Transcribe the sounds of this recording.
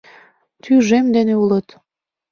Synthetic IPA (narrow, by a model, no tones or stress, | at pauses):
t̪yʒemd̪eneulət̪